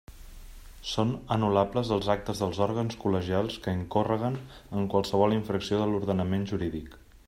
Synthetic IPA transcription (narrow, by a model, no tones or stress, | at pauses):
sonənulapləzðəlˠzak̚t̪əzðəlˠzɔɾɣənskuləʒialˠskəiŋkorəɣ̞ənəŋkwalˠsəβ̞ɔlˠiɱfɾəksioðəluɾðənəmenʒuɾiðik